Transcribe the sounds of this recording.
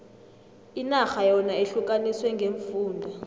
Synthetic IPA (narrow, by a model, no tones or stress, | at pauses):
inaxajɔnaeɬukʼaniswɛŋɡʱeɱfuːndʱa